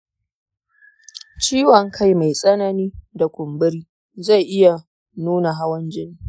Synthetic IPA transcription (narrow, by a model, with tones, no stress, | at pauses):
t͡ʃiː˦wɔ˨ŋkʰa˦˨jma˨jsʼɐ˦na˦niː˦da˨kʷʊ˨mbɪ˦ɾiː˦ | za˦˨jʔɪ˦ja˨ | nuː˦na˨ɦa˦wɐ˦nd͡ʒɪ˦niː˦